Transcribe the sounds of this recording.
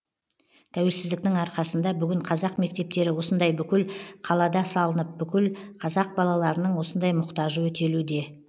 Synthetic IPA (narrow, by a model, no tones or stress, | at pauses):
t̪ʰæwe̞lsɪzd̪ɪk̚t̪ɪŋɑɾqɑsənd̪ɑbʏɡʲɪɴqʰɑzɑqme̞k̚t̪e̞p̚t̪e̞ɾɪwo̞sənd̪ɑjbʏkʲɪlqʰɑlˠɑd̪ɑsɑlˠənəp̚bʏkʲɪlqʰɑzɑq̚bɑlˠɑlˠɑɾənəɴwo̞sənd̪ɑjmʊqt̪ɑʒəwɵt̪e̞lud̪e̞